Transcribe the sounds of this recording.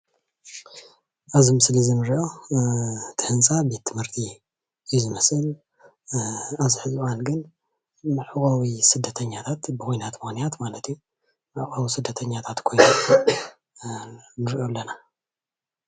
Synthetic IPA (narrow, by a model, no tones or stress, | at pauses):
ʔazimɨslɨzinɨɾiʔo̞ | t̪ʰɨhɨnt͡sʼabe̞t̪ʰːɨmhɨɾt̪ʰi | juzɨmɐsɨl | aβziħɨzwanɡɨn | mɨʕɨkʼawisɨd̪ːɐt̪ʰɐɲːat̪ʰat̪bɨkʰojnat̪mɨxnijat̪malɐt̪ju | mɨʕχʼɐwisɨd̪ːɐt̪ʰɐɲːat̪ʰat̪kʰo̞jnu | nɨɾʔo̞lːɐna